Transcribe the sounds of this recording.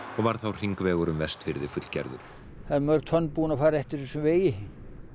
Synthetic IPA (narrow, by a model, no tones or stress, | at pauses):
ɔɣvaɾθawr̥iŋkvɛːɣʏɾʏmvɛst̪fɪɾðɪfʏt̪lcɛ̰ɾðʏ̰ɾ̥ | θamːœɾt̪ʰœnpuːnafaːɾɛht̪ɪɾisʏveːjɪ